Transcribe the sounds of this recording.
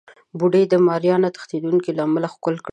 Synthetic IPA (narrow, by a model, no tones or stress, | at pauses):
buɖəjd̪əmɑɾjɑnat̪ə̥xt̪ed̪unkilɑmalaxkʊlkɽ